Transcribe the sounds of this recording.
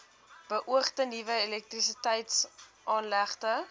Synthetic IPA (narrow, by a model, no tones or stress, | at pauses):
b̥əʔuəχtənivəelɛk̚tris̬itɛjtsʔɑːnlæχtə